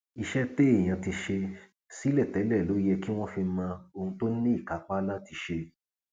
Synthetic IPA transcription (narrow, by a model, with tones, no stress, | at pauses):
i˨ʃɛ˦te˦e˦˨j̃ã˨ti˧ʃe˧ | si˨˦lɛ˦˨tɛ˨˦lɛ˦˨lo˨˦jɛ˧ki˦w̃ɔ̃˦fi˧˦mã˧o˧hũ˧to˦nĩ˦i˦˨ka˨˦k͡pa˦la˦ti˧ʃe˧